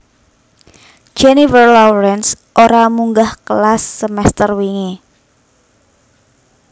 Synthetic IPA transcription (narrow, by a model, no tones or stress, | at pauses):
d͡ʒ̥ɛnifərlɔwɾɛns | ʔoɾamuŋɡahkəlasːəmɛst̪ərwiŋe